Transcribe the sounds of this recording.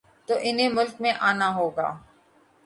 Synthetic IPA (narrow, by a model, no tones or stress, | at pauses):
t̪oːʔɪnɦẽmʊlkmẽʔaːnaɦoːɡa̰ː